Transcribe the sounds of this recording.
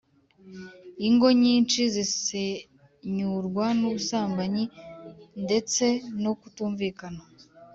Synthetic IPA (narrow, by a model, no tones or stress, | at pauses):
iŋɡo̞ɲiːnt͡ʃizise | ɲuɾɡwanuβusaːmbaɲi | nde̞t͡se̞nokutuːɱviːkana